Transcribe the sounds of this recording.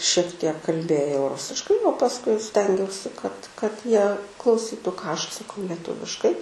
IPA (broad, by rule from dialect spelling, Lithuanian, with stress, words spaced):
ʃʲiɛk tʲiɛk kɐlʲˈbʲeːjɛʊ ˈrʊsʲɪʃkɐɪ oː pɐsˈkʊɪ ˈsʲtʲɛŋʲɡʲɛʊsʲɪ kɐt kɐt ˈjiɛ klˠɐʊˈsʲiːtʊ kɑː ˈɐʃ ɐtsɐˈkɐʊ lʲɛˈtʊʋʲɪʃkɐɪ